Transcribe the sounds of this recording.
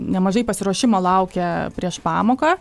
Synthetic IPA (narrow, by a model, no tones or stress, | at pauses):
nʲɛmɐʒɐɪpɐsʲɪɾuɔʃʲɪmɐːlˠɐʊkʲɛpʲɾʲiɛʃpɑːmoːkɐ